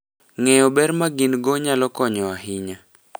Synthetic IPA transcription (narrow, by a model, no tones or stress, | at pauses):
ŋɛjɔbɛɾmaɡinɡoɲalɔkɔɲɔaɦɪɲa